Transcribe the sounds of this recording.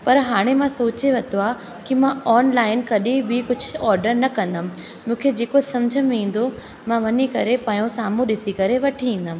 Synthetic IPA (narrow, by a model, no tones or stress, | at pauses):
pɐɾɦaːɽ̃emãsoːt͡ɕeʋɐt̪oaː | kimãɔːnlaːɪnkɐɗibikʊd͡ʑʱʊɔːɾɖəɾnɐkɐ̃nd̪əm | mũːkʰed͡ʑeːkosɐmd͡ʑʱəmĩːn̆d̪o | mãʋɐnikɐɾepãːjõsaːmũɗɪsikɐɾeʋɐʈʰiĩːn̆d̪əm